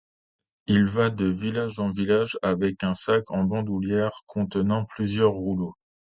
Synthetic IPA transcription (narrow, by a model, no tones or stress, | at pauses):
ilvad̪əvilaʒɑ̃vilaʒavɛkɛ̃sakʰɑ̃bɑ̃d̪uljɛʁkʰɔ̃t̪ənɑ̃plyzjœʁːulo